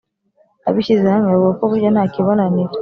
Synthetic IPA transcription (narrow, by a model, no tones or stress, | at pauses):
a̰βiʃizaamɛwɔkɔβud͡ʒanaːkiβɔnani